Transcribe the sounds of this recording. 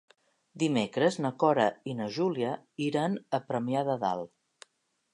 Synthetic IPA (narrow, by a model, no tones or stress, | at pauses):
d̪imekɾəznəkɔɾəinəʒuliəiɾanəpɾəmiaðəða̰lˠ